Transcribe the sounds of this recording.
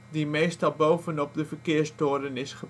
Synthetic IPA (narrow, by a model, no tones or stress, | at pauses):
dimejstɑlˠbowvənɔp̚dəvəɹkɪːɹstʊːɹdənɪsχə